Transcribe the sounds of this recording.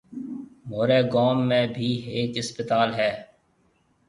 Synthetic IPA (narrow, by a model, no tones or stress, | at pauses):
moːɾeːɡɔːmːẽːbʱiːɦeːkɪspɪt̪aːlɦɛː